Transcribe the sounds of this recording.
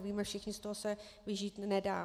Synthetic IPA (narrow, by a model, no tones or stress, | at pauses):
viːmɛfʃɪxɲɪst̪oɦosɛvɪʒiːt̪nɛda̰ː